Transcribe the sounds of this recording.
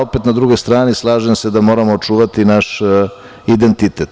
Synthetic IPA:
opet̪nad̪ɾuɡojst̪ɾaːnislˠaːʒemsed̪amo̞ːɾamoːt͡ʂuːʋat̪inaʃ | id̪ent̪it̪et̪

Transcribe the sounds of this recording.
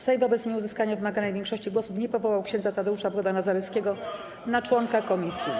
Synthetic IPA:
sɛjvɔbɛt̪sɲʲiuzɘskaɲavɘmaɡanajvʲjɛŋkʂɔɕt͡ɕiɡwɔsupɲɛpɔvɔwawkɕɛ̃ndzat̪ad̪ɛuʂabɾɔd̪anazaɾɛt̪skʲɛɡɔ | nat͡ʂwɔŋkakɔmʲisʲji

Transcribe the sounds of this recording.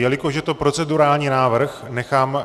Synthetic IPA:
jɛlɪkoʒɛt̪o̞pɾo̞t͡sɛduɾaːlɲiːnaːvr̩xnɛxaːm

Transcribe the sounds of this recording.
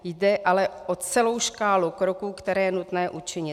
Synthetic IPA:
jdɛʔalɛʔot͡sɛlo̞wʃkaːlukɾokuːkt̪ɛɾɛːjɛnut̪nɛːʔut͡ʃɪɲɪt̪

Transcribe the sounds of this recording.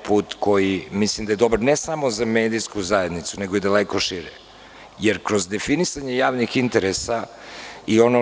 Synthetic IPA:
puːt̪ko̞jimislimd̪aje̞d̪obaɾnesamo̞zameːd̪iskuzae̞d̪nit̪suneɡoid̪alekoʃiɾe | jeɾkɾozd̪efinisaɲejaːʋnixint̪eɾesa | io̞no

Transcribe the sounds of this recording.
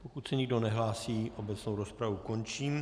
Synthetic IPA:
pokut̪sɛɲɪɡdo̞nɛɦlaːsiːʔobɛt͡snowɾospɾavukont͡ʃiːm

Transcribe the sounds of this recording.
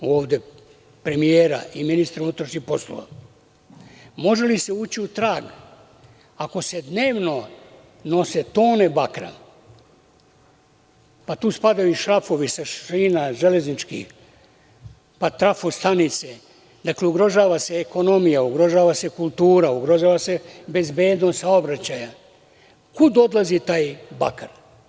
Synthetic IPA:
o̞ːʋd̪e̞ | pɾe̞mijeːɾa̰ʔiminist̪ɾunut̪ɾoʃɲixpo̞slo̰ʋa̰ | mo̞ʒe̞liseuːt͡ɕiut̪ɾaːɡ | ako̞se̞d̪ne̞ːʋno̞ | no̞set̪o̞ːnebakɾa̰ | pat̪uːspad̪ajuʃɾafo̞ʋisaiːnaʒele̞znit͡ʃkḭx | pat̪ɾafost̪anit̪se | d̪akleuɡɾo̞ʒaːʋase̞ːko̞no̞mijauɡɾo̞ʒaːʋase̞kulˠt̪uːɾauɡɾoʒaːʋase̞be̞zbe̞ːd̪nost̪saobɾat͡ɕaːja | kud̪o̞d̪lˠazit̪aːjba̰kaɾ

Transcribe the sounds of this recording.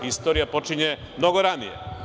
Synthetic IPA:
ist̪oɾijapo̞t͡ʃiɲe | mno̞ɡoɾanijḛ

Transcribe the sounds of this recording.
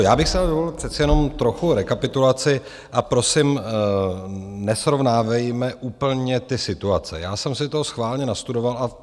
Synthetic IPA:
jaːbɪxsɛdaldovolpr̥ɛt̪t͡sɪjɛno̞mt̪ɾo̞xuɾɛkapɪt̪ulat͡sɪ | ʔapɾo̞sɪm | nɛsɾo̞vnaːvɛjmɛʔuːpl̩ɲɛt̪ɪsɪt̪uat͡sɛ̰jaːsɛmsɪt̪oɦosxvaːlɲɛnast̪udo̞valʔa

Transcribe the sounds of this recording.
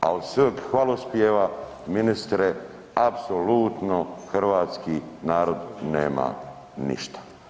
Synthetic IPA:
a̰od̪səkxʋalospjeːʋa | minist̪ɾe | apsolut̪noxrʋaːt̪skinaːɾod̪neːma̰ | nḭʃt̪ḁ

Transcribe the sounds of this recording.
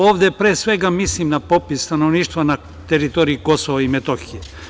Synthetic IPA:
oːʋd̪epɾeːsʋe̞ɡamislimnapo̞pisst̪anoʋniːʃt̪ʋana | t̪eɾit̪oːɾiiko̞soʋaimet̪oxije

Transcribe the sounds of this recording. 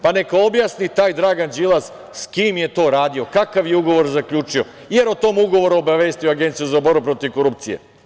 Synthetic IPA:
pane̞kao̞bjasnit̪aːjd̪ɾaːɡand͡ʒilˠaz | skimje̞t̪o̞ːɾaːd̪io̞kakaʋjeuɡo̞ʋo̞ɾzakʎuːt͡ʃio̞ | je̞ɾot̪o̞ːmuɡo̞ʋo̞ɾuobaʋe̞ːst̪ijoaɡe̞nt̪sijuzabo̞ɾbupɾo̞t̪iʋko̞ɾup̚t̪sijḛ

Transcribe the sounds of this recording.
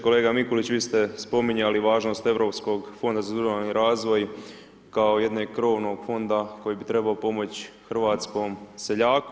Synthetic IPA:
ko̞leːɡamikolit͡ɕʋiːst̪espo̞miɲaliʋaːʒno̞ːst̪e̞ʋɾo̞ːpsko̞ɡfo̞nd̪azad̪uʒaniɾaːzʋo̞j | kaoje̞d̪neːɡ̚kɾo̞ːʋno̞ɡ̥fo̞nd̪ako̞jiːbit̪ɾe̞baopo̞mo̞t͡ɕxr̩ʋaːt̪sko̞ːmse̞ʎaːku

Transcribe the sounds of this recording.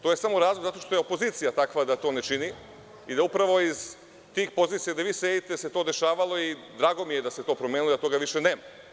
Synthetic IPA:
t̪ojesamoɾaːzlˠoɡzat̪o̞ʃt̪o̞je̞opo̞ziːt̪sijat̪akʋad̪at̪o̞ːne̞t͡ʃini | id̪aupɾaʋo̞iz | t̪iːxpo̞ziːt̪sijad̪aʋiːsejit̪e̞se̞t̪od̪e̞ʃaːʋalˠo̞id̪ɾaːɡo̞mije̞d̪ase̞t̪o̞ːpɾomʲjeːnulod̪at̪o̞ːɡaʋiʃe̞ne̞ːma

